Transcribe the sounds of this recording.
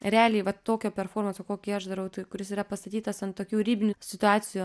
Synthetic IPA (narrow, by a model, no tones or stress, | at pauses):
ɾʲæːlʲiːʋɐt̪ːoːkʲoːpʲɛrfoːɾmɐnsʲoːkoːkʲiːɐʒd̪ɐɾɐʊt̪ɐɪkʊɾʲɪsiːɾɐpɐst̪ɐt̪ʲiːt̪ɐsɐntt̪oːkʲuːɾʲiːbʲɪnʲʊsʲɪt̪ʊɑːt͡s̪ʲɪjuː